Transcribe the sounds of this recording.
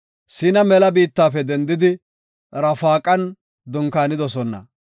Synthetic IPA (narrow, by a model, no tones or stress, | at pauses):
sɪnɐmɛlɐbiːt̪ːaːfɛd̪ɛnd̪ɪd̪ɪ | ɾɐfaːkʼɐn | d̪ɔŋkaːnɪd̪ɔsɔnːɐ̰